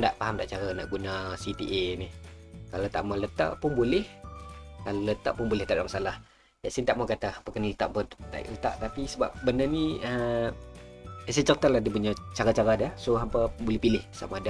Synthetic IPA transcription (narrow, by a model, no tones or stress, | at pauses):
daʔpaɦamdaʔt͡ʃaɾana̰ʔɡunasit̪ḭʔenɪhkalat̪a̰ʔmalət̪a̰ʔpʊnbulɪhkalolət̪aʔpʊnbolɪht̪aʔdaʔmasalah | jasint̪aʔmakat̪aapəkanlət̪a̰ʔmpət̪a̰ʔɪ̰ʔlət̪a̰ʔt̪apisəba̰p̚bənəniə | sajt͡ʃərt̪alahdipuɲat͡ʃaɾat͡ʃaɾadahsoɦampabolɪhpilɪhsa̰maːda